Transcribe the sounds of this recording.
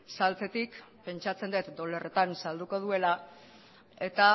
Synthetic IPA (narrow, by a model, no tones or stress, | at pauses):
salt͡se̞t̪ik | pe̞nt͡ʃat͡se̞nd̪et̪d̪ole̞re̞t̪ansald̪uko̞ð̞ue̞la | e̞t̪a